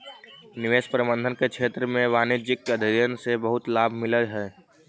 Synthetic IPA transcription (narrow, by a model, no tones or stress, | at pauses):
nɪʋeːspɾəbə̃nd̪ʱənkekt͡ʃʰeːt̪ɾəmẽʋaːnid͡ʒɪkːəd̪ʱəɾjənsebəɦʊt̪laːbʱmɪləɾɦɛː